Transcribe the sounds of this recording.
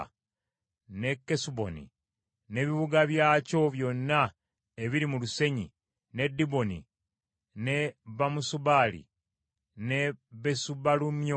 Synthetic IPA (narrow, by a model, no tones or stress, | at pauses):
ne̞kːesubo̞̰nḭ | ne̞βiβuɡaβjaːco̞βjo̞nːa | eβiɾimuluse̞ɲḭ | ne̞dːibo̞nḭ | ne̞βamusuβaːlḭ | ne̞βesuβalumjo